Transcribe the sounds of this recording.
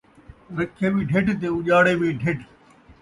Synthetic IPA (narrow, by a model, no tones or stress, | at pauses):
ɾɐkʰːeːbiːɖʱeʈt̪̬eʊʄaːɽebiɖʱeːʈ